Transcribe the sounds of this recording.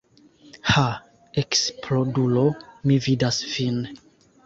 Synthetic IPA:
ha | ekspʰlodulomividasvin

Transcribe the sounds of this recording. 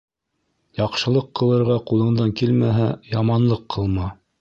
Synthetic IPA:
jɑqʃɤ̆lˠɤqːɤ̆lˠɤ̆ɾʁɑqulˠɤ̆ɴd̪ɑŋkilmæɦæjɑmɑnlˠɤqʰːɤlˠmɑ

